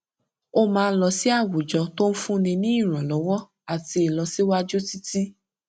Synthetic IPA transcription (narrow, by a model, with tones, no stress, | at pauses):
o˦mãː˧˦lɔ˧si˦a˦˨wu˨d͡ʒɔ˧to˦n̩˦fũ˦nĩ˧nĩ˦i˦˨ɾ̃ã˨lɔ˨˦wɔ˦ | a˨ti˧e˨lɔ˨˧˦si˦wa˦d͡ʒo˦ti˦ti˦